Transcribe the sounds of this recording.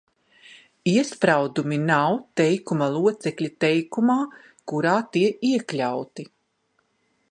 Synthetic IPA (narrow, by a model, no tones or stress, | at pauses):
iɛspɾawd̪uminawt̪ɛjkumalˠuɔt̪sɛkʎʲit̪ɛjkumaː | kuɾaːt̪iɛiɛklʲawt̪i